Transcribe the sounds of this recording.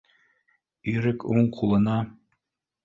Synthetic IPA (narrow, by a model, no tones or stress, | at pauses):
yɾɘkuɴqʰulˠɤ̆nɑ